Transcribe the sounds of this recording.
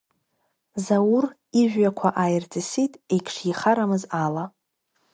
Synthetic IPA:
zawʊr | iʒᶣakʷʰaʔajrd͡zɨsitʼejkʰʂjiχaɾamɨzala

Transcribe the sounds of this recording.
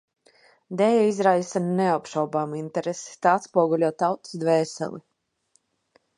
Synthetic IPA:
d̪ɛjaizɾajsanneapʃawbaːmint̪eɾesi̥t̪aːat̪spuɔɡulʲuɔt̪awt̪i̥sd̪vɛːsɛ̰lˠḭ

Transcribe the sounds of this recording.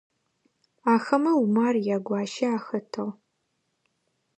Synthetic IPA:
aːxɐmɐwumaːrjaːɡʷɑːʃɐaːxɐtʰɐʁ

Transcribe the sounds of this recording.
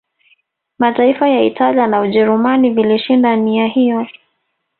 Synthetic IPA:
mataifajaitalianauʄɛɾumaniviliʃindaniahijɔ

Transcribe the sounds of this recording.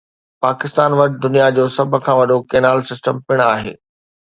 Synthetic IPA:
paːkɪst̪aːnʋɐʈɪd̪ʊnijad͡ʑoːsɐb̆ʱkʰãːʋɐɗokeːnaːlsɪsʈəmpɪɽ̃aːɦḛː

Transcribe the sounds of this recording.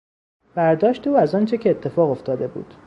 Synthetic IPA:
b̥æɾd̪ɒːʃt̪e̞ːæzɒːnt͡ʃʰecʰeːt̪ʰːe̞fɒːɣo̞ft̪ʰɒːd̪e̞bṵːd̪̥

